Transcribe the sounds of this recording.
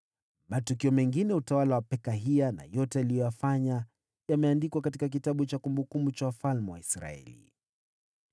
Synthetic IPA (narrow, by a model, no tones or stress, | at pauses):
matukiɔmɛŋɡinɛutawalawapɛkaɦiana̰jɔtɛalijɔjafaɲa | jamɛandikwakatikak̬itaɓut͡ʃakumbukumut͡ʃawafalmɛwaisɾa̰ɛ̰lḭ